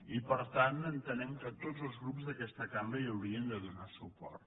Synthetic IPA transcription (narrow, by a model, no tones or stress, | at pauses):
ipəɾt̪anənt̪ənɛmkət̪od͡zəlˠzɣɾupzðəkɛst̪əkambəiəwɾiənd̪əðunasupɔ̰ɾt̪